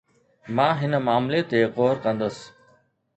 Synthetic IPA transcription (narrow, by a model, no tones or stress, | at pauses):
mãːɦɪnəmaːmlet̪eqoːɾkə̃nd̪əs